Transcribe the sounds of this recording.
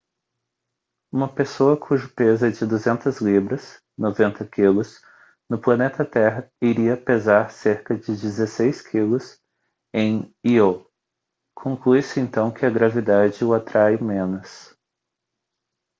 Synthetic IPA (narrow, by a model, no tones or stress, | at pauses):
ũmɐpesoɐkʰuʒʊpezɐd͡ʒɪd̪uzẽnt̪ɐzlibɾɐs | novẽnt̪ɐkʰilʊs | nʊplɐnet̪ɐt̪ɛɦɐiɾiɐpezaɾseɾkɐd͡ʒɪd͡ʒɪzesejskʰilʊs | ẽj̃io | kʰõŋkluisɪẽnt̪ɐ̃w̃kɪɐɡɾavid̪ad͡ʒɪʊat̪ɾajmẽnʊs